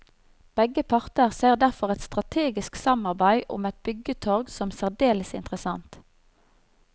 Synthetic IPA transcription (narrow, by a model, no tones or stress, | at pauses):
b̥ɛɡəpʰɑʁt̪əʁseːʁd̪æʁfɔʁɛt̪st̪ʁɑt̪ʰeːɡɪsksɑmɑʁbæɪʔʊ̰mɛt̪̚bʏɡət̪ʰɔʁɡsɔmsæʁd̪eːləsɪ̰nt̪ʁəsɑnt̪